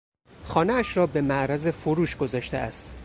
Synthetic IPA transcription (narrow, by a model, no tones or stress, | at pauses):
χɒːneæʃɾɒːbemæʔɾæze̞foɾuːʃɡo̞zɒːʃt̪eæ̰st̪